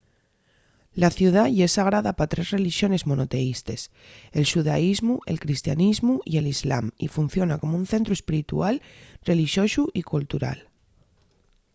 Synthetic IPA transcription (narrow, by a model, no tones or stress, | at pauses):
laθjuð̞aʝesaɣ̞ɾaðapat̪ɾe̞zre̞liʃjo̞ne̞zmõ̞no̞t̪e̞ist̪e̞s | e̞lʃuðaizmuʔe̞lkɾist̪janizmuie̞lizla̰mḭfun̟θjo̞nako̞moun̟θe̞nt̪ɾue̞spiɾit̪ṵalre̞liʃjo̞suʔikult̪uɾa̰l